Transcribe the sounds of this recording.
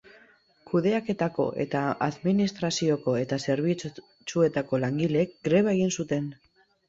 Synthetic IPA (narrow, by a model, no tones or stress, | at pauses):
kuðe̞ake̞t̪ako̞̰ʔe̞̰t̪aaðminist̪ɾasio̞ko̞e̞t̪ase̞ɾβ̞i | t͡sue̞t̪ako̞laŋɡile̞ːk̚ɡɾe̞β̞ae̞ɣ̞insut̪e̞n